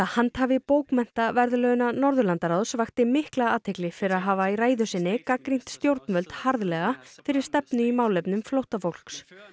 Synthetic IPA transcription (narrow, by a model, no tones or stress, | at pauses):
ahant̪havɪpowkmɛn̥t̪avɛɾðʏlœɣʏnanɔɾðʏlant̪aɾawðsvaxt̪ɪmɪhklaaːt̪ʰejklɪfɪɾɪɾaðɦaːvairaːjðʏsɪnːɪkakɾin̥t̪st̪jowɾt̪nmœlt̪haɾðlɛɣafɪɾɪɾ̥st̪ɛpnʏimaːwlɛpnʏmflowht̪afowl̥ks